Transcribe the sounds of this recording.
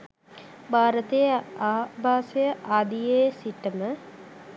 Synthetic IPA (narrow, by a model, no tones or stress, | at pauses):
bʱaːɾət̪ejəaːbʱaːsejəʔaːd̪ijeːsiʈəmə